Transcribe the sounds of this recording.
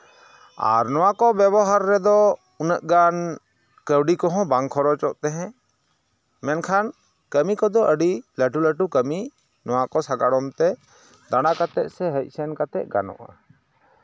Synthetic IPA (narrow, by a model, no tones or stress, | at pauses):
a̰ɾnɔwakɔbjɛβɔɦaɾːɛd̪ɔ | unəʔ̚ɡan | kəwɖikɔɦɔ̃baŋkʰɔɾɔt͡ʃɔʔt̪ɛɦɛ̃ | mɛnkʰan | kəmikɔd̪ɔʔəɖiləʈuləʈukəmi | nɔwakɔsaɡaɽɔmt̪ɛ | d̪aɽ̃akat̪ɛʔ̚sɛɦəc̚ˀsɛnkat̪ɛʔ̚ɡa̰nɔ̰ʔa̰